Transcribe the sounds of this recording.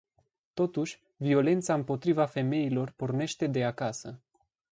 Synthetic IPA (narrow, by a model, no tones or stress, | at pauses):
t̪o̞t̪uʃʲ | vio̞le̞nt̪saɨmpo̞t̪ɾivafe̞me̞ilo̞rporne̞ʃt̪e̞d̪e̞akasə